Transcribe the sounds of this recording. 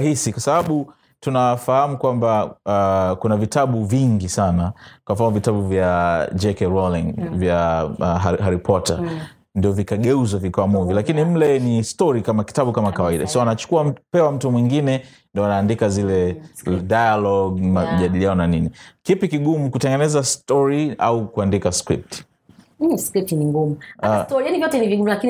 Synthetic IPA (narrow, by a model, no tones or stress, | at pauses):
hisikwasaaɓu | tunafahamukwambaakunavitaɓuviŋɡisanakwamfanmɔvitaɓuvjad͡ʒɛkɛɾɔliŋvjaaɦɦaɾipʰɔta̰ | ndiɔvikaɠɛuzavikaamuvilakinim̩lɛnistɔɾikamaki̥taɓukamakawaiɗa̰sɔɔanat͡ʃu̥kuapɛwam̩tumwiŋɡinɛ | ndiɔanaːndikazilɛdajalɔɡmaʄaɗilianɔnaninikipikiɠumukutɛŋɡɛnɛzastɔɾia̰ukuandikaskɾḭp̚ti̥ | skɾip̚tiniŋɡumuatɔɾijanivjɔtɛniviɡumulakin